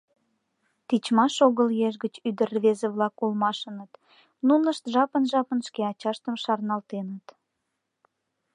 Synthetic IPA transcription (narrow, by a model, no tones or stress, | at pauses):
t̪it͡ɕmɑʃoɣəljeʒɡət͡ɕyd̪ərβezeβlɑkulmɑʃənət̪ | nunəʃt̪ʒɑpənʒɑpənʃkeɑt͡ɕɑʃt̪əmʃɑrnɑlt̪enət̪